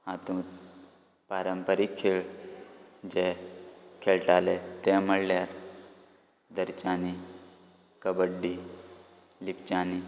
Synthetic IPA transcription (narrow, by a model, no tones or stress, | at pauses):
hãt̪ũ | paːɾəmpəɾikʰːeːɭ | d͡ʒe | kʰelʈaːlet̪eməɽlaːɾ | d̪əɾt͡ʃaːni | kəbəɖːi | lip̚t͡ʃaːni